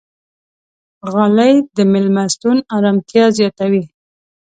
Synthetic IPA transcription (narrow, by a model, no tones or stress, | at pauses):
ɣalajd̪əmɪlmast̪unaɾamt̪jɑzjɑt̪awi